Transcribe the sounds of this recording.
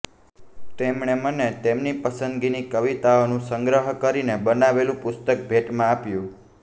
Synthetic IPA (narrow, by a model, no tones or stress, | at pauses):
t̪emɳemənet̪emnipəsənd̪ɡinikəʋit̪aonũsəŋɡɾəɦkəɾinebənaʋelũpʊst̪ək̚bʱeʈmãapjũ